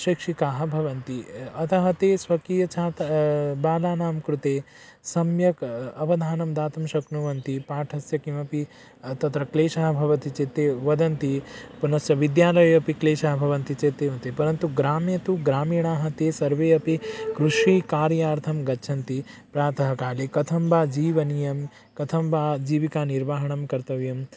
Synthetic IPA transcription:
ʃikʂikaːɦɐ̆bʱɐʋɐnt̪iɐt̪ɐɦɐt̪eːsʋɐkiːjɐt͡ʃʰaːt̪baːlaːnaːmkɾut̪eː | sɐmjɐkɐʋɐd̪ʱaːnɐmd̪aːt̪ɐmʃɐknuʋɐnt̪ipaːʈʰɐsjɐkimɐpi | t̪ɐt̪ɾɐkleːʃaːɦɐbʱɐʋɐt̪it͡ʃeːt̪eːʋɐd̪ɐnt̪ipunɐsjɐʋid̪jaːlɐjɐpikleːʃaːɦɐbʱɐʋɐnt̪it͡ʃeːt̪eːɐnt̪epɐɾɐnt̪uɡɾaːmjɐt̪uɡɾaːmiːɳaːɦɐt̪eːsɐɾʋeːɐpikɾuʂiːkaːɾjaːɾt̪ʰɐmɡɐtːt͡ʃʰɐnt̪ipɾaːt̪ʰɐɦɐkaːlekɐt̪ʰɐmbaːd͡ʒiːʋɐnijɐm | kɐt̪ʰɐmbaːd͡ʒiːʋikaːniɾʋaːɦɐɳɐmkɐɾt̪ɐʋjɐm

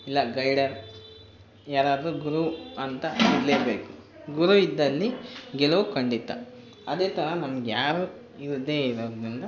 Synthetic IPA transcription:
ilːɐɡɐjɽɐɾ | jaːɾaːd̪ɾuɡuɾuɐnt̪ɐiɾleːɾbeːku | ɡuɾuid̪ːɐlːiɡɛlɐʋukɐɳɖit̪ːɐ̰ | ɐd̪e̞ːt̪ɐɾɐnɐmɐɡejaːɾu | iɾud̪ːe̞ːiɾoːdd̪ɾind̪ɐ

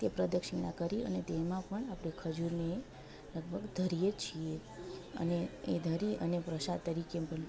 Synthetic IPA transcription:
t̪epɾəd̪əkʃiɳ̃ã̰kəɾiə̰net̪emãpəɳapɽekʰəd͡ʒuɾne | ləɡ̚bʱəɡd̪ʱəɾijet͡ʃʰie | ə̰need̪ʱəɾiʔə̰nepɾəsad̪̚t̪ːəɾikepəɳ

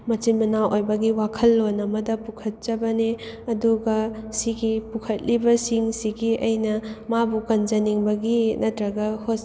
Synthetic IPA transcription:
mɐt͡ʃinmɐnawʔojbɐɡiwakʰɐlːonɐmɐdɐpukʰɐt̚t͡ʃɐbɐne | ɐduɡɐsiɡipukʰɐt̚libɐsiŋsiɡiɐjnɐmabukɐnd͡ʒɐniŋbɐɡinɐtɾɐɡɐhos

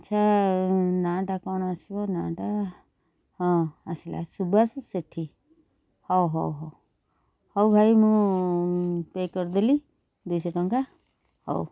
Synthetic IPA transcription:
tt͡ʃʰa | naʈakɔɽ̃asibɔnãːʈa | hɔ̃asila̰subasseʈʰi | hɔwɦɔwɦɔw | hɔwbʱajmũ | pekɔɾd̪eli | d̪ujsɔʈɔŋka | hɔ̰w

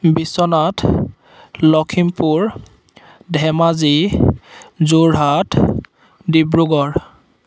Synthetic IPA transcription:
bisɔnat | lɔkʰimpuɹ | dʱɛmazi | zuɹɦat | dibɹuɡɔɹ

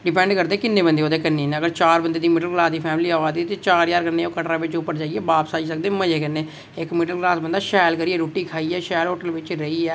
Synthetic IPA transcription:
ɖɪpɛ̃ːɳɖkəɾd̪eːkɪnːeːbənd̪eːoːd̪eːkənːeːneːəɡəɾt͡ʃaːɾbənd̪eːd̪iːmɪɖəlɡlaːsd̪iːpʰɛːmliːaːaːd̪iːt̪eːt͡ʃaːɾjaːɾkənːeːoːkəʈɾaːʋɪt͡ʃʊpːəɾd͡ʒaːiːɛːbaːpsaːisək̚d̪eːməd͡ʒeːkənːeː | ɪkmɪɖəlɡlaːsbənd̪aːʃɛːlkəɾiːɛːɾoːʈːiːkʰaːiːɛːʃɛːlɦoːʈəlʋɪt͡ʃɾəiːɛː

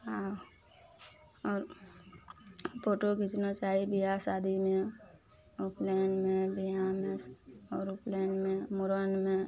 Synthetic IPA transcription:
ɦa | ɔːɾ | poːʈokɪt͡ʃnot͡ʃaːibʱiɦasaːd̪ʱimẽ | ʊpleːnmẽbijamẽsɔːɾʊplɛːnmẽmʊɾənmẽ

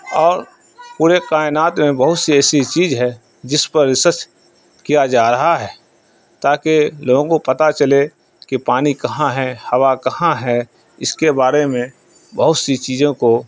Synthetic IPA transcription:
ɔːɾ | puːɾekaːɪnaːt̪mẽbəɦʊt̪siɛːsit͡ʃiːzɦɛ | d͡ʒɪspəɾːɪsəɾt͡ʃ | kijad͡ʒaːɾɐɦaɦɛː | t̪aːkeloːɡõkopɐt̪at͡ʃəle | kipaːnikɐɦãɦɛhɐwakɐhãɦɛ | ɪskebaːɾemẽ | bəɦʊt̪sit͡ʃiːzõko

